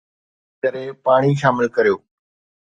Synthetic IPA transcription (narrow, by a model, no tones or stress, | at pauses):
kɐɾẽpaːɽ̃iʃaːmɪlkɐɾijoː